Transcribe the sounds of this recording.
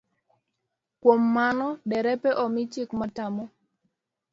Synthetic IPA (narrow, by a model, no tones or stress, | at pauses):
kwomːanɔdɛɾɛpɛʔɔmɪt͡ʃɪkmatamɔ